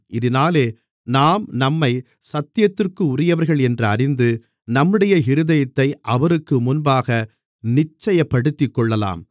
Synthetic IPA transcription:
ʔɪðɪnaːleː | naːmnɐmːɐɪ | sɐt̪ːɪjɐt̪ːɪrkɯʊrɪjɐʋɐɾɣɐɭɛndrɯɐɾɪnd̪ɯ | nɐmːɯɽɐjɐɦɪɾɯðɐjɐt̪ːɐɪʔɐʋɐɾɯkːɯmʊnbaːɣɐ | nɪt͡ʃːɐjɐpːɐɽɯt̪ːɪkːɔɭːɐla̰ːm

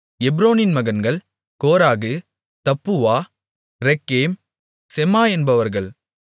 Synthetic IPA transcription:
ɛbɾoːnɪnmɐɣɐnɡɐɭ | koːɾaːɣɯ | t̪ɐpːɯʋaː | ɾɛkːeːm | sɛmaːɛnbɐʋɐɾɣɐɭ

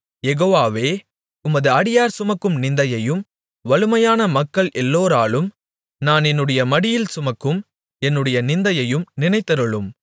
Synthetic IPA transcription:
jɛɣoːʋaːʋeː | ʊmɐðɯɐɽɪjaːɾsʊmɐkːɯmnɪnd̪ɐjɐjɯm | ʋɐɭɯmɐjaːnɐmɐkːɐɭʔɛlːoːɾaːlɯm | naːnɛnːɯɽɐjɐmɐɽɪjɪlsʊmɐkːɯm | ɛnːɯɽɐjɐnɪnd̪ɐjɐjɯmnɪnɐɪt̪ːɐɾɯɭɯm

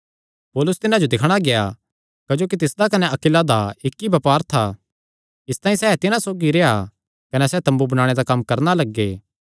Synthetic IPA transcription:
poːlʊst̪ɪnãd͡ʒod̪ɪkʰɽ̃aɡeja̰ | kɐd͡ʒoːk̬it̪ɪsd̪akɐnɛɐkɪlad̪aɪkːibɐpaːɾt̪ʰa | ɪst̪ãːĩsɛːt̪ɪnãsoːɡiɾea̰ | kɐnɛsɛːt̪ɐ̃mbubɐnaːɽ̃ed̪akɐmːkɐɾnalɐɡːeː

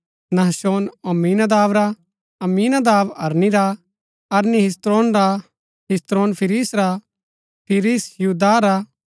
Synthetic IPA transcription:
nɐɦsoːnɐmːiːnad̪aːʋɾa | ɐmːiːnad̪aːʋɐɾniɾa | ɐɾniɦɪs̬t̪ɾoːnɾa | ɦɪst̪ɾoːnpʰɪɾiːsɾa | pʰɪɾiːsjuːd̪aɾa

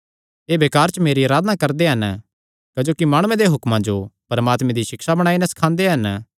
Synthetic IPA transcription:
eːʋeːkaːɾt͡ʃəmeːɾiaːɾaːd̪nakɐɾd̪eɦɐn | kɐd͡ʒoːkimaːɽ̃uːẽd̪eɦʊkmãd͡ʒopɐɾmaːt̪mẽd̪iʃɪkʃabɐɽ̃aːinɛsɐ̥kʰãːnd̪eɦɐn

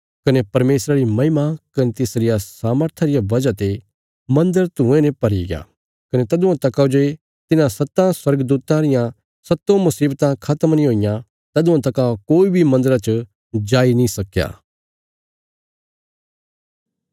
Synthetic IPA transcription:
kɐnepɐɾmeːsɾaɾimɐ̃ɦɪmakɐnet̪ɪsɾɪjasaːməɾt̪ʰaɾɪjaʋɐd͡ʒat̪e | mɐ̃nd̪əɾt̪ũẽnɛ̃pɐɾḭɡja̰ː | kɐnet̪ɐd̪ʊ̃ãt̪ɐkad͡ʒoe | t̪ɪnãsɐt̪ːãswɐɾɡəd̪uːt̪ãɾɪjã | sɐt̪ːõmɐsiːbt̪ãkʰɐt̪əmnĩɦoːɪjã | t̪ɐd̪ʊ̃ãt̪ɐkakoːibʱimɐ̃nd̪əɾat͡ʃ | d͡ʒaːinĩsɐkːja̰ː

